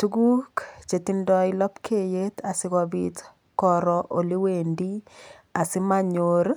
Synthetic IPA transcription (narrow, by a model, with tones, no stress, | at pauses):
tu˦ɡu˦kt͡ʃe˨ti˨ndɔ˦jlɔ˦pkʰe˦je˦t̪a˨sɪ˦ɣɔbit | kɔɾɔʔo˨li˦wendi˦ | a˨sɪ˦ma˦ɲoɾ